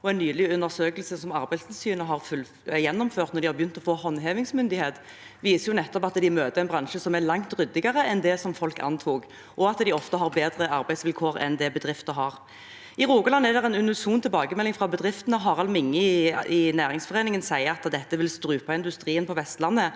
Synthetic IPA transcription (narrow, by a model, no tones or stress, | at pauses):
ɔɛnːyːlɪʉnːəʁsøːkəlsəsɔmɑɾbæɪssyːnəɦɑʁfʉl | jɛnːɔmføːʁt̪nɔɾd̪ɪhɑɾbjʏnt̪ɔfoːhɔnːɦeːʋɪŋsmʏnd̪ɪheːt̪ | ʋiːsəjʊnɛt̪ːɔpɑt̪d̪ɪmøːt̪əɾɛɪnbʁɑŋʃəsɔmæɾlɑŋt̪ɾʏd̪ɪɡəɾəɛnd̪ɛsɔmfɔlkɑ̰nt̪ʰuːɡ | ʔɔɑt̪d̪ɪɔft̪əɦɑʁbeːd̪ɾəʔɑɾbæɪsʋɪlkʰoːɾɛ̰nd̪ɛbəd̪ʁɪft̪əɦɑːʁ | ɪɾuːɡəlɑnːæd̪ɛʁɛnʉnʉsuːnt̪ʰɪlbɑːɡəmɛlːɪŋfʁɑbəd̪ʁɪft̪ənəɦɑːʁɑlmɪŋːəɪɪnæːɾɪŋsfɔʁeːnɪŋənsæɪəɑt̪d̪ɛt̪ːəʋɪlst̪ɾʉːpɑɪnd̪ʉst̪ɾiːənpʰɔʋɛst̪lɑnːə